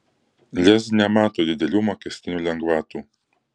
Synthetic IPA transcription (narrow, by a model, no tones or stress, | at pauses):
lʲɛsnʲɛmɑːt̪oːd̪ʲɪd̪ʲɛlʲuːmɔkʲɛsʲt̪ʲɪnʲuːlʲɛŋɡʋɑːt̪uː